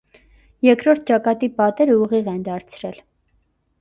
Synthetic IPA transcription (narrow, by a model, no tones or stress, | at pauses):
jɛɾkɾɔɾt̪̚ʰt͡ʃɑkɑt̪ipɑt̪ɛɾəuʁiʁɛnd̪ɑɾt͡sʰɾɛl